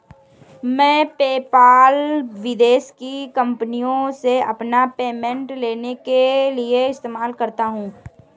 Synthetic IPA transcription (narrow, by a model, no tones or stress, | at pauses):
mɛ̃ːpeːpaːlʋɪd̪eːʃkikɐ̃mpnijõseɐpnapeːmɛ̃ɳʈleːnekelieɪst̪eːmaːlkɐɾt̪aɦũː